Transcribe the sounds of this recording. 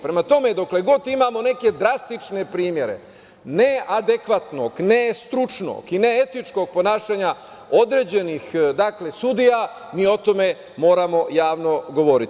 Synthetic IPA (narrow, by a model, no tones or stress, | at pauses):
pɾe̞mat̪o̞me̞d̪okle̞ɡo̞t̪imaːmo̞ne̞ke̞d̪ɾast̪it͡ʂne̞pɾiːmje̞ɾe̞̰ | nead̪ekʋat̪noɡnest̪ɾut͡ʂno̰ːɡine̞e̞t̪it͡ʃko̞ɡ̚po̞naːʃaɲa | o̞d̪ɾe̞ːd͡ʑe̞nixd̪akle̞sud̪ija | miːo̞t̪o̞me̞ | mo̞ːɾamo̞jaːʋno̞ɡo̞ʋo̞ɾit̪i